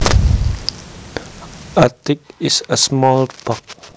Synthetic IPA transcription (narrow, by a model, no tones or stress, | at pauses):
atɪk̚ɪsəsmɔlb̥ɔk̚